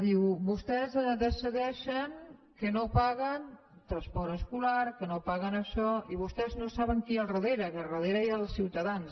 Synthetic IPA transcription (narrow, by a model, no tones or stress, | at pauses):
ðiwβust̪ɛzd̪əsiðɛʃəŋ | kənopaɣən | t̪ɾəspɔɾəskulaɾkənopaɣənəʃɔiβust̪ɛznosaβəŋkiarəðeɾəkərəðeɾəealˠsiwt̪ɐðans